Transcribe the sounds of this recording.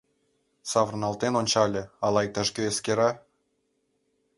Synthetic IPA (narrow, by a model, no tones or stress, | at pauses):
sɑvrnɑlˠt̪enonʲt͡ɕɑlʲĕɑlˠɑjk̚t̪ɑʃɡøeskʲeɾɑ